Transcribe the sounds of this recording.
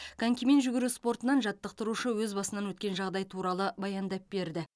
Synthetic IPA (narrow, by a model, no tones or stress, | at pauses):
kʰaŋkʲiment̪ʒʏɡʲɪɾuspo̞rt̪ənɑnʒɑt̪ːəq̚t̪əɾuʃəwɵzbɑsənɑnwɵt̪̚kʲe̞nʒɑʁd̪ɑjt̪ʰuɾɑlˠəbɑjɑnd̪ɑp̚be̞ɾd̪ɪ